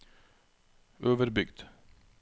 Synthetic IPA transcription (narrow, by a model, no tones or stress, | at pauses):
ʔøːʋəɾbʏɡd̪̥